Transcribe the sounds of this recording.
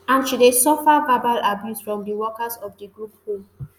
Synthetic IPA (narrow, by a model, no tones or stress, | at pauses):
ãnʃudesɔfavabalabjusfɹɔ̃mdəwɔkasɔfdəɡɹup̚hul